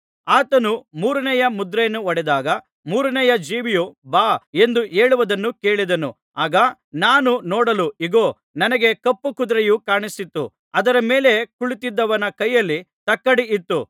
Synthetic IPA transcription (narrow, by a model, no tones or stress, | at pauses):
aːt̪ɐnumuːɾɐnɛjɐmud̪ɾejɐnːuɔɽɛd̪aːɡɐ | muːɾɐnɛjɐd͡ʒiːʋijubaːe̞nd̪uʔe̞ːɭuʋɐd̪ɐnːuke̞ːɭid̪ɐnu | aːɡɐ | naːnunɔːɽɐluiɡoː | nɐnɐɡe̞kɐpːukud̪ɾɐjukaːɳisit̪ːu | ɐd̪ɐɾɐme̞ːle̞kuɭit̪id̪ːɐʋɐnɐkɐjːɐlːi | t̪ɐkːɐɽiit̪ːu